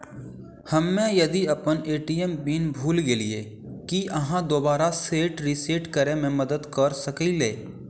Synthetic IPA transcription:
həmːẽjɐd̪iɐpəneːʈijembiːnbʱuːlɡeːliḛ | kiʔɐɦãd̪oːbaːɾaseːʈɾiseːʈkəɾemẽməd̪əd̪kəɾsəkileː

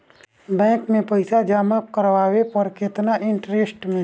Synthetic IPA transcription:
bɛ̃ːŋkmẽpəɪsad͡ʒaːməkəɾʋaːwepɔɾkɪt̪naʔɪ̃ɳʈɾesʈmẽ

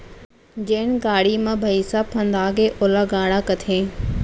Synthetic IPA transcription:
d͡ʑeːnɡaːɽimãbʱɐisaːpʰɐ̃nd̪aːɡeːʔoːlaɡaːɽakɐt̪ʰẽː

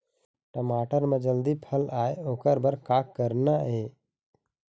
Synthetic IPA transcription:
ʈəmaːʈəɾmẽd͡ʒəld̪ipʰəlaːeoːkəɾbəɾkaːkːəɾnaɦeː

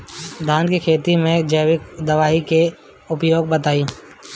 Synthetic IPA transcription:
d̪ʱaːnkikʰeːt̪imẽd͡ʒəːʋɪkd̪əʋaːɦike | ʊpjoːɡ̚bət̪aːĩ

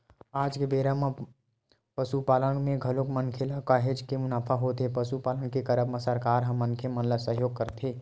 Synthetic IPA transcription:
aːd͡ʒkebeːɾəm | pəsupaːləɳmẽɡʱɐlokmənkʰelakaɦed͡ʒkemʊnaːfʰaɦot̪epəsupaːləɳkekəɾəbməsəɾkaːɾɦɐ̃mːɐnkʰemɐnləsəɦjoːɡ̚kəɾt̪ʰeː

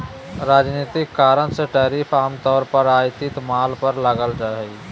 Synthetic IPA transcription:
ɾaːd͡ʒniːt̪ɪkːaːɾənseʈaːɾiːfʰaːmt̪ɔːɾpəɾaːjt̪ɪt̪maːlpəɾləɡəld͡ʒaːeɡ

